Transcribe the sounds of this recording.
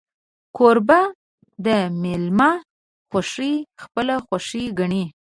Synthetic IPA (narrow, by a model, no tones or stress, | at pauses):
kʰoɾba | d̪əmelma | xaʂixpəlaxwaʂiɡaɳi